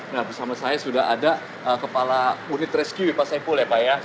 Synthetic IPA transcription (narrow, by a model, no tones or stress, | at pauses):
nahbisamasajasudaɦa̰da | ʔəkəpalamunɪt̪rɛskjuipasapʊljapaja